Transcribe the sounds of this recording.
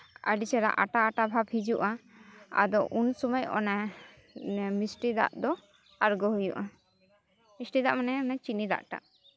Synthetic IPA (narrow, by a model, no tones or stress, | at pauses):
ə̰ɖit͡ʃɛɾa̰ʔa̰ʈaːʈabʱabhid͡ʒuʔa | a̰d̪ɔʔunsuməjɔ̰na | misʈid̪a̰ʔd̪ɔ | aɾɡɔɦujṵʔa | misʈid̪aʔmanɛɔnat͡ʃinid̪a̰ʔʈa̰ʔ